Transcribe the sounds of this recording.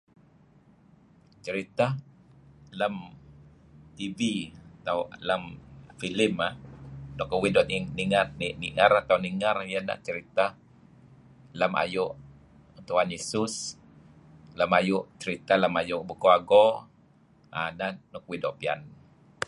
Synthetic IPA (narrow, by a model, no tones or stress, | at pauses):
t͡ʃəɾit̪a | ləm | t̪iviat̪awləmfilɪmahnɔkəwidɔʔniŋarniniʔəɾat̪awniŋarjana̰ʔt͡ʃəɾit̪ah | ləma̰jʊʔ | t̪uanisus | ləmajʊʔt͡ʃəɾit̪alamajʊʔbukoaɡɔ | a̰nanɔkwidɔʔpia̰n